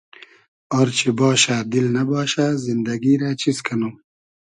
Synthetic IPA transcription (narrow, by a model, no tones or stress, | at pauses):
oɾt͡ɕʰibɔːʃaːd̪ilnɐbɑːʃazind̪ɐɡiːɾat͡ɕizkʰɐnuː